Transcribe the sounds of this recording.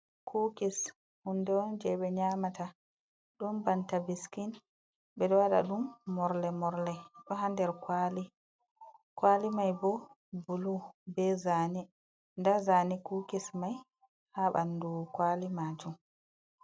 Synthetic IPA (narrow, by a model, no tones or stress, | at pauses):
kʰukis | hundɛwɔnd͡ʒɛɓɛɲamata | ɗumbantabiskin | ɓɛɗɔwaɗa̰ɗumːɔɾlɛmɔɾlɛɗɔɦandɛɾkwali | kwalimajbɔ | bulubɛzani | ndazanikukismaj | haɓa̰ndukwalimad͡ʒum